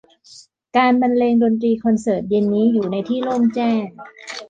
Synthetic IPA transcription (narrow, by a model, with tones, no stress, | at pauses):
kaː˧nba˧nleː˧ŋdoː˧nt̪̬ɾiː˧kʰɔ˧nsɤː˨˩t̪̚je˧nːiː˦˥juː˨˩na˧jt̪ʰiː˥˩loː˥˩mt͡ɕɛː˥˩ŋ